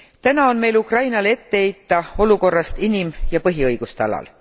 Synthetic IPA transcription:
t̪ænɑo̞nme̞jlukrɑjnɑle̞t̪ːeejt̪ːɑo̞luko̞rːɑst̪inimjɑpɤɦiɤjɡ̥ust̪eɑlɑ̰l

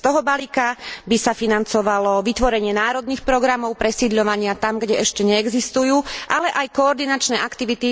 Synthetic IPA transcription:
st̪ɔɦɔbalikabisafinant͡sɔʋalɔʋit̪ʋɔɾɛɲɪɛnaːɾɔd̪niːxpɾɔɡɾamɔʊpɾɛsiːd̪ʎɔʋaɲɪat̪amɡɟɛɛʃcɛɲɛːɡzist̪ujuːʔalɛʔajkɔːɾd̪inat͡ʃnɛːʔakt̪iʋit̪i

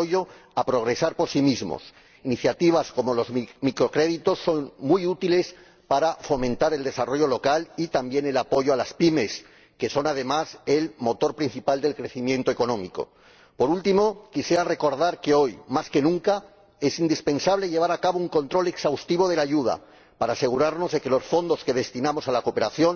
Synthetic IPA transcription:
oʝoapɾo̞ɣ̞ɾe̞saɾpo̞ɾsimizmo̰s | iniθjat̪iβ̞asko̞mo̞lo̞zmikɾo̞kɾe̞ðit̪o̞sːo̞nmujut̪ile̞s | paɾafo̞mẽ̞nt̪aɾe̞ld̪e̞saro̞ʝo̞lo̞kalit̪ambje̞ne̞lapo̞ʝoalaspime̞s | ke̞so̞nað̞e̞mase̞lmo̞t̪o̞ɾpɾin̟θipald̪e̞lkɾe̞θimjent̪oeko̞nõ̞mḭko̞̰ | po̞ɾult̪imo̞kisje̞ɾare̞ko̞ɾð̞aɾke̞o̞jmaske̞nũŋka | e̞sind̪ispẽ̞nsaβ̞le̞ʎe̞β̞aɾakaβouŋko̞nt̪ɾo̞le̞ksawst̪iβ̞o̞ð̞e̞laʝuð̞a̰ | paɾaːse̞ɣuɾaɾno̞zðe̞kelo̞sfo̞nd̪o̞ske̞ð̞e̞st̪inamo̞salako̞pe̞ɾaθjo̞n

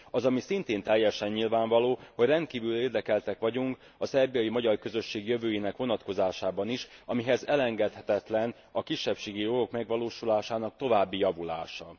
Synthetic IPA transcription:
ɒzɒmisint̪eːnt̪ɛjːɛʃɛɲːilvaːɱvɒloːho̞ɟrɛnt̪̚kiːvyleːrd̪ɛkɛlt̪ɛkʋɒɟuŋk | ɒsɛrbijɒjimɒɟɒrkø̞zø̞ʃːeːɡjøvøːjeːnɛkʋo̞nɒt̪ko̞zaːʃaːbɒniʃɒmiɦɛzɛlɛŋɡɛt̪hɛt̪ɛt̪lɛn | ɒkiʃːɛpʃeːɡijo̞ɡo̞kmɛɡʋɒloːʃulaːʃaːnɒk̚t̪o̞vaːbːijɒvula̰ːʃɒ

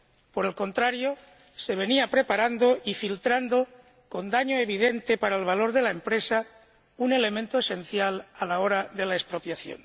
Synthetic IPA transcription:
po̞ɾe̞lko̞nt̪ɾaɾjo | se̞β̞e̞niapɾe̞paɾand̪oifilt̪ɾand̪o | ko̞nd̪aɲoeβ̞ið̞ent̪epaɾaelβalo̞ɾðe̞laempɾesa | une̞le̞mẽnt̪oese̞nθjalalaoɾaðe̞laespɾo̞pjaθjo̰n

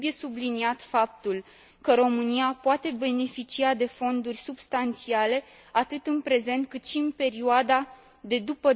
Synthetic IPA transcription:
uje̞subliniat̪fap̚t̪ul | kəɾo̞mɨniapoat̪e̞be̞ne̞fit͡ʃiad̪e̞fo̞nd̪urʲsubst̪ant̪siale̞ | at̪ɨt̪ɨnpɾe̞ze̞nt̪̚kɨt̪ʃiɨnpe̞ɾioad̪a | d̪e̞d̪upə

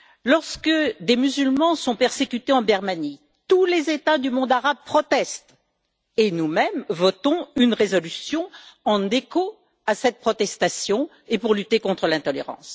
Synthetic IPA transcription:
lɔʁskəd̪emyzylmɑ̃sɔ̃pɛʁsekʲyt̪eɑ̃biʁmani | t̪ulezet̪ad̪ymɔ̃d̪aʁab̚pχɔt̪ɛst̪ | enumɛmvɔt̪ɔ̃ynʁezɔlysjɔ̃ɑ̃neko | asɛt̪̚pχɔt̪ɛst̪asjɔ̃ | epuʁlyt̪ekɔ̃t̪χəlɛ̃t̪ɔleʁɑ̰̃s

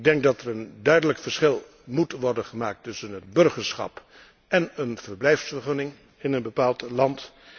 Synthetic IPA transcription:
ɡ̚dɛŋk̚dɑtɛɹəndœɥdələkfəɹsχɪlˠ | mutʋɔɹdənχəmaːk̚tɵsənɦəd̚bɵɹχəɹsχɑ̰p | ʔɛnənv̥əɹblɛjfsfəɹχɵnɪŋ | ɪnənbəpaːlˠtlɑnt

